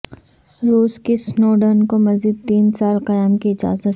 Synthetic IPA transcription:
ɾuːskisnoːɖənkomɐziːd̪̚t̪iːnsaːlqɐjaːmkiɪd͡ʒa̰ːzət̪

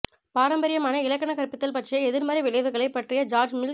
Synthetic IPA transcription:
paːɾɐmbɐɾɪjɐmaːnɐɪlɐkːɐnɐkɐɾpɪt̪ːɐlpɐʈrɪjɐɛðɪɾmaːɾriʋɪɭɐɪʋɯɣɐɭɐɪpːɐʈrɪjɐd͡ʒaːɾd͡ʒmɪl

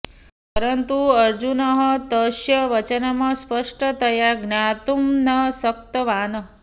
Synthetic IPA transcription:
pəɾənt̪uəɾd͡ʒunəɦət̪əʃjəʋət͡ʃənamãspəʂʈət̪ʰəjaɡnat̪umnəsək̚t̪əʋanə

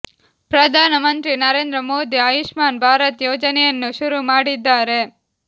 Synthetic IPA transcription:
pɾɐd̪ʱaːnɐmɐnt̪ɾinɐɾeːnd̪ɾɐmoːd̪iɐjiʃmaːnbʱaːɾɐt̪joːd͡ʒɐnɛjɐnːuʃuɾumaːɽid̪ːaːɾe̞

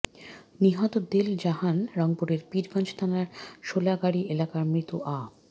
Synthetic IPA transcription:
niɦɔt̪od̪eld͡ʑaɦanɾɔŋpuɾeɾpiɾɡɔnd͡ʑt̪ʰanaɾʃolaɡaɽiʔelakaɾmɾit̪uʔa

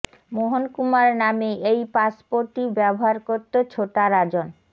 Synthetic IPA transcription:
moɦonkumaɾnameejpaspoɾʈibɛboɦaɾkoɾt̪ːot͡ɕʰoʈaɾad͡ʑon

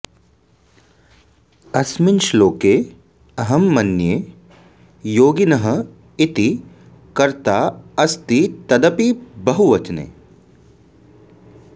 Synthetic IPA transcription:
ɐsminʃloːkeː | ɐɦɐmːɐnjeː | joːɡinɐɦɐ̆ | it̪i | kɐɾt̪aːɐst̪it̪ɐd̪ɐpibɐɦuʋɐt͡ʃnḛː

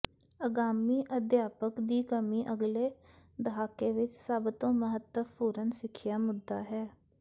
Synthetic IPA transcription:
əɡaːmiːʔəd̪jaːpəkd̪iːkəmiːʔəɡleːd̪əɦaːkeːʋɪt͡ʃsəbt̪õːməɦət̪ːəpuːɾənsɪkʰjaːmʊd̪ːaːɦɛː

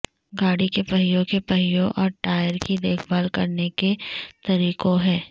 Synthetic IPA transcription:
ɡaːɽikepɐɦɪjõkepɐɦɪjõʔɔːɾʈaːjəɾkid̪eːkʰbaːlkɐɾneket̪ɐɾiːkõɦɛ̃ː

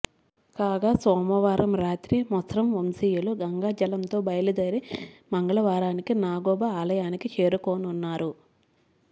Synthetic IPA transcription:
kaːɡaːsɔːmɐʋaːɾɐmɾaːt̪ɾimɔsɾɐmʋomsiːjuluɡɐŋɡaːd͡ʒɐlɐnt̪o̞ːbɐjlud̪ɐɾimɐŋɡɐɭɐʋaːɾaːnikinaːɡɔːbɐaːlɐjaːnikit͡ʃe̞ːɾukoːnunːaːɾu

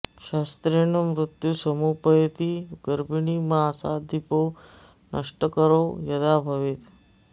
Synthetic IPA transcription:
ʃast̪ɾenəmɾut̪jusəmupəjt̪iɡəɾbʱiɳimasad̪ʱipo | nʔəʂʈəkəɾojəd̪abʱəʋit̪

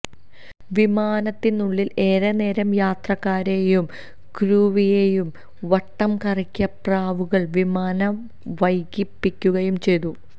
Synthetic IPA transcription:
ʋimaːnɐt̪ːinːuɭːile̞ːɾɐne̞ːɾɐmjaːt̪rɐkːaːɾejum | kɾuːʋijejum | ʋɐʈːɐmkɐrikʲːɐpraːʋuɣɐɭʋimaːnɐ | ʋɐjɡipːikʲːuɣɐjumt͡ɕe̞jt̪u

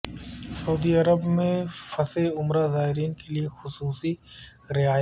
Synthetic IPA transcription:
sɐuːd̪iɐɾəbmẽfɐseʊmɾazaːɦɪɾiːnkeliexʊsuːsi | ɾɪɦaːjə

